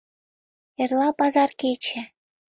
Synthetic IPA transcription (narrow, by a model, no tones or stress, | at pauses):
ĕrlˠɑpɑzɑrket͡ɕɘ̆